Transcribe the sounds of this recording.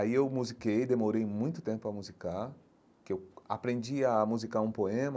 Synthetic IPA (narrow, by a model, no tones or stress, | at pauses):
aiewmuzikejd̪emoɾejmũj̃t̪ʊt̪ẽmpʊɐmuzikaɾ | kewa̰pɾẽnd͡ʒiamuzikaɾũpoẽmɐ